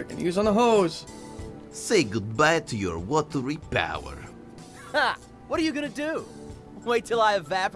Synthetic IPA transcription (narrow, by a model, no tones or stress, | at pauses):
kɨ̃njʉzn̩ðəɦoʊz̥ | seɪɡʊd̚baɪtʰɨjə̰˞wʌtɹipa̰ʊə̰˞ | a | wʌɾə˞jɨɡʌnɨdɨ | weɪtʰɨlˠaɪɨvæp